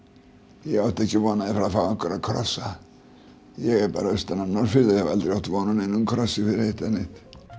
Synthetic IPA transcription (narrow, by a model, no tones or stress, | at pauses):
jɛɣawt̪ɛhcɪvɔːnaðɪfɾafawaŋkɔɾakʰɾɔ̰sa | jɛɣɛɾpa̰ːɾaœst̪ananɔɾfɪɾðajɛhavalt̪ɾɪawt̪vɔnanɪnːumkʰɾɔsːɪfɪɾhet̪anɪt̪